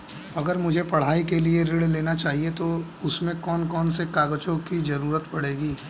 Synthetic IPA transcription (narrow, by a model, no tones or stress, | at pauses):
ɐɡəɾmʊd͡ʒʱepɐɽ̤aːikelieɾɪɽleːnat͡ʃaːɦiet̪o | ʊsmẽkɔːnkɔːnsekaːɡt͡ʃõkizɐɾuːɾət̪pɐɽeːɡiː